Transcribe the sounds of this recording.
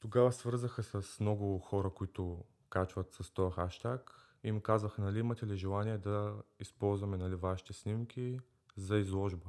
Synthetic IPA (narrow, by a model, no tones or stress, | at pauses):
t̪oɡavɐsvɤɾzəxəsɐsmnɔɡʊxɔɾɐkoit̪ʊ | kat͡ʃvɐt̪sɐst̪ɔjɐxaʃt̪ak | imukazvəxnɐliimɐt̪ɛliʒɛlˠaniɛd̪ɐispɔlˠzvɐmɛnɐlivaʃi̥t̪ɛsnimkʲʰi | zɐizlˠɔʒbə